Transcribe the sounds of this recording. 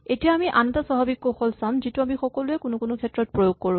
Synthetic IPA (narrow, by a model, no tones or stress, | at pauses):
etijaːmiʔanɔtasɔɦabikːɔxɔlsãzituamixɔkɔlʊɛkʊnʊkʊnʊkʰɛtɹɔt̚pɹojoɡ̚koɹʊ̃